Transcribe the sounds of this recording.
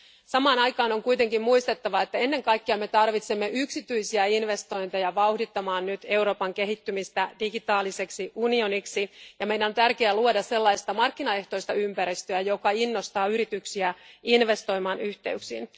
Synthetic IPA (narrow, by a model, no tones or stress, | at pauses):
sɑmɑːnɑjkɑːnoŋkujt̪e̞ŋkimmuist̪e̞t̪ːɑʋɑet̪ːæe̞nːe̞ŋkɑjkːeɑme̞t̪ɑrʋit̪semːeʔyksit̪yisiæinʋe̞st̪o̞jnt̪ejɑʋɑuhdit̪ːɑmɑːnnyt̪e̞uwɾo̞ːpɑŋkeɦit̪ːymist̪ædiɡit̪ɑːlise̞ksiunio̞niksijɑmejdænont̪ærkeæluodɑsse̞lːɑist̪ɑmɑrkːinɑe̞ht̪o̞ist̪ɑympæɾist̪øæjo̞kɑinːo̞st̪ɑːyɾit̪yksiæinʋe̞st̪o̞jmɑːnyht̪e̞̰yksḭːn